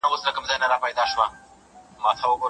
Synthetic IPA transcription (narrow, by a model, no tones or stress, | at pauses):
awəslakəmzɑjnaɾɑpajd̪ɑʃwa | mɑːt̪ʰawəko